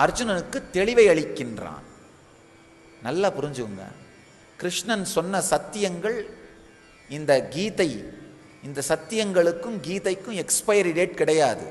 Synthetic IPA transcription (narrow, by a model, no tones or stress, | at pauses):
ɐɾd͡ʒʊnɐnɯkːɯt̪ːɛɭɪʋɐɪɐɭɪkːɪndra̰ːn | nɐlːaːpʊɾɪɲd͡ʒɯɣɯŋɡɐ̰ | kɪɾɪʂɳɐnsɔnːɐsɐt̪ːɪjɐŋɡɐɭ | ɪnd̪ɐɡiːtɐɪ | ɪnd̪ɐsɐt̪ːɪjɐŋɡɐɭɯkːɯmɡiːt̪ɐɪkːɯ̃ɛkspɐjɐɾɪɖeːʈ̚kɪɽɐjaːðɯ̰